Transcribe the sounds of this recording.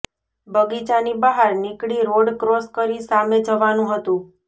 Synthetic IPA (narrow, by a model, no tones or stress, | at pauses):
bʱəɡit͡ʃanibəɦaɾnikɽiɾoɽkɾoskəɾisamed͡ʒəʋanũɦət̪ũ